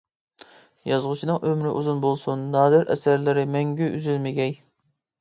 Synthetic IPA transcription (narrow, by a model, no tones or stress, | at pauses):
jɑzʁʊt͡ʃʰinɨŋʔømɾɪʔuzunbolˠsunːɑːd̪ɪɾʔɛ̰sæɾlɪɾɪmɛŋɡʲyʔyzylmɪɡʲɛj